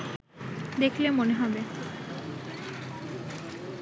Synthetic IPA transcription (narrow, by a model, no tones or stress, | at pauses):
d̪ekʰlemoneɦɔbe